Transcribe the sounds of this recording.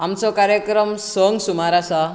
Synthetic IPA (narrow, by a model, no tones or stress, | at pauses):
ɦamt͡sokaɾjekɾʌmsəŋɡsumaɾasʌ